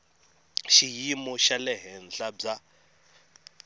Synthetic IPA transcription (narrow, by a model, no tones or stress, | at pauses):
ʃijimɔʃalɛɦɛnd͡ɮab͡ʐa